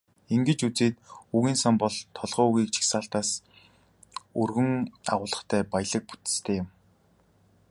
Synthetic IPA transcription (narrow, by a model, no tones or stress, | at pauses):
iŋɡɘ̆t͡ɕut͡seːt̪̚uɣiːnsampɔɮt̪ʰɔɮʁœːuɣiːk̚t͡ɕʰi̥xsaːɬt̪aːs | urɣɵ̆ŋa̰ʁʊːɮə̆χt̪ʰæːpajɮə̆k̚pu̥t̪ɘ̥̆st̪ʰeːjɪm